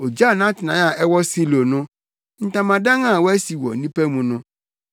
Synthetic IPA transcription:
o˨d͡ʒa˦˨nã˦tnã˨˦a˨ʔɛ˦wɔ˦si˦lo˨nʊ̃˦ | n̩˨tã˨mã˨dã˦ŋã˦˨wɔ˦ɛ˦si˨wɔ̰˨nĩ˦pɛ˦mũ˨nʊ̃˦

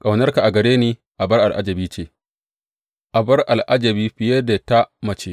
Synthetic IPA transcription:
kʼa˨wnɐ˦rka˨ʔa˨ɡɐ˨ɽeː˦niː˦ | ʔa˨bɐ˦rʔa˨lʔa̰˦d͡ʒɐ˨biː˦t͡ʃeː˦˨ | ʔa˨bɐ˦rʔa˨lʔa˦d͡ʒɐ˨biː˦ɸɪ˨je˦da˨ta˦mɐ˨t͡ʃeː˦

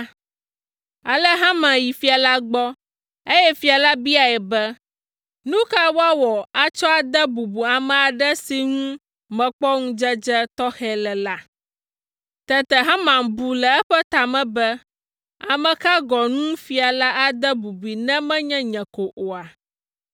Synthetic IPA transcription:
a˨lɛ˦ɦã˦mã˨ji˨fi˨˦a˨la˦ɡ͡bɔ˦ | e˦jɛ˦fi˨˦a˨la˦bi˦a˨ɛ˨bɛ˦ | nũ˦ka˦wo˦a˦wɔ˨a˨t͡ʃɔ˦a˨d̪ɛ˦bu˨bu˨a˨mɛ̃˨a˨ɖɛ˦si˨ŋũ˦ | mɛ̃˨k͡pɔ˦ŋũ˦d͡ʒɛ˦d͡ʒɛ˦t̪ɔ˦xɛ˦lɛ˨la˦ | t̪ɛ˦t̪ɛ˨ɦã˦mã˨ŋ˨bu˨lɛ˨ɛ˦ɸɛ˦t̪a˨mɛ̃˦bɛ˦ | a̰˨mɛ̃˨ka˦ɡɔ˨nũ˦fi˨a˨la˦ʔa˦d̪ɛ˦bu˨bi˨nɛ̃˦mɛ̃˦ɲɛ̃˦ɲɛ̃˨ko˨ʔo˨a˨

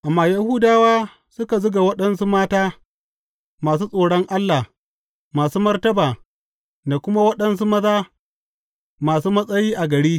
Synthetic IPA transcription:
ʔa˨mːaː˨jɐ˦hu˦daː˦waː˦ | sʊ˦ka˨zʊ˦ɡa˨wɐ˦ɗɐ˦nsu˦maː˦taː˦ | maː˨s̬uː˦sʼoː˨ɽɔ˦ŋʔa˦lːaː˨ | maː˨suː˦mɐ˦rtɐ˦baː˨ | da˨kʷʊ˦ma˦wɐ˦ɗɐ˨ns̬u˦mɐ˦zaː˦ | maː˨suː˦mɐ˦sʼɐ˦jiː˦ʔa˨ɡɐ˨ɽiː˦

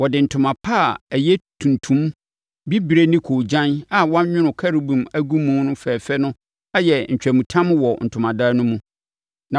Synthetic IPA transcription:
wɔ˨dɪ˨n̩˨tʰʊ̃˨mã˨pʰa˦˨æ˨jɛ˦tʰũ˨ntʰũ˦m | bi˦bɾe˦nĩ˦kʰoː˨d͡ʑã˦na˨wɔ˦a˦ɲᶣɪ̃˦nʊ̃˨kʰa˦ɾi˨bũ˨mæ˦ɡu˦mũ˦nʊ̃˦fɛː˨fɛ˦nʊ̃˦ | a˦jɛ˨ɲ̩˨t͡ɕᶣæ˨mũ˨tʰã˦m˦wɔ˨n̩˨tʰʊ˨mã˨daː˦nʊ̃˦mũ˦ | nã˨

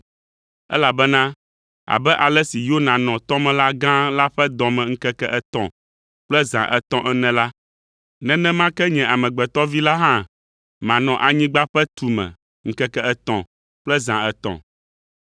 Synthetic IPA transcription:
ɛ̰˦la˨bɛ˦nã˦ | a̰˨bɛ˦ʔa˨lɛ˦si˨jo˦nã˨nɔ̃˨t̪ɔ̃˦mɛ̃˨la˦ɡã˦la˦ɸɛ˦d̪ɔ̃˨mɛ̃˨ŋ̩˦kɛ˦kɛ˦ʔɛ˦t̪ɔ̰̃˨ | k͡plɛ˦zã̰˨ʔɛ̰˨t̪ɔ̃˦ʔɛ˦nɛ̃˨la˦ | nɛ̃˦nɛ̃˦mã˦kɛ˦ɲɛ̃˨a˨mɛ̃˨ɡ͡bɛ˨t̪ɔ˦vi˦la˦ɦã˦˨ | mã˨nɔ̃˨ʔa˨ɲĩ˦ɡ͡ba˦ɸɛ˦t̪u˨mɛ̰̃˨ | ŋ̩˦kɛ˦kɛ˦ɛ˨t̪ɔ̰̃˨ | k͡plɛ˦zã˨ɛ˨t̪ɔ̰̃˨

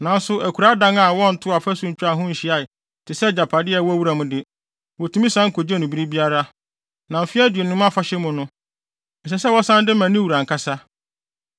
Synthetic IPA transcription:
nã˨n̩˦sʊ˨ʔæ˨kʰu˨ɾa˦dã˦ŋa˨wɔ̃˦n̩˨tʰʊ˦a˨fæ˦sũ˦ɲ̩˦t͡ɕᶣa˨ɦʊ̃˦ɲ̩˨ɕi˨˦a˨ɪ˨ | tʰɪ˨sɛ˦d͡ʑa˨pʰa˨dɪ˦ɛ˨wɔ˦æ˦wu˦ɾa˨mʊ̃˨dɪ˨ | wɔ˨tʰu˦mĩ˦sã˦ŋ̩˦kʰo˨d͡ʑɛ˦nʊ̃˨bi˦ɾi˦bi˦a˦ɾa˦ | nã˨m̩˨fɪ˦a˦dɥe˨nʊ̃˦m˦a˦fa˦ɕɛ˦mʊ̃˨nʊ̃˦ | n̩˨s̬ɛ˨sɛ˦wɔ˦sã˦ndɪ˦mã˨nĩ˦wu˨ɾã˨ŋ̩˨kʰa˦sa˦

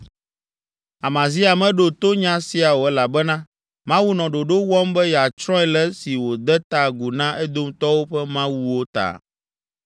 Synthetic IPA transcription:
a˨mã˨zi˦a˨mɛ̃˦ɖo˨t̪o˦ɲã˦si˦a˨wo˨ɛ˦la˨bɛ˦nã˦ | mã˦wu˦nɔ̃˨ɖo˨ɖo˦wɔ˦mbɛ˦ja˨t͡ʃɾɔ̃˦ɛ˨lɛ˦si˨wo˨d̪ɛ˦t̪a˨ɡu˨nã˦ʔɛ˦d̪o˦m˦t̪ɔ˦wo˦ɸɛ˦mã˦wu˦wo˦t̪a̰˨

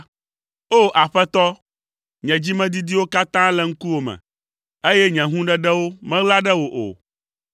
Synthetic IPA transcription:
o˦ʔa˨ɸɛ˦t̪ɔ˦ | ɲɛ̃˨d͡ʑi˦mɛ̃˦d̪i˦d̪i˦wo˦ka˦t̪ã˦lɛ˨ŋ̩˦ku˦wo˨mɛ̰̃˨ | e˦jɛ˦ɲɛ̃˨ɦũ˦ɖɛ˨ɖɛ˦wo˦mɛ̃˦ɣla˦ɖɛ˦wo˨ʔo̰˨

